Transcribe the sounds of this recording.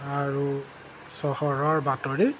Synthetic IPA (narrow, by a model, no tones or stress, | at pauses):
aɹu | sɔhɔɹɔɹbatɔɹi